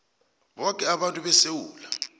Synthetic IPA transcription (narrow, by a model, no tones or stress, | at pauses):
ɓɔkʼɛaɓantʼuɓɛsewuːla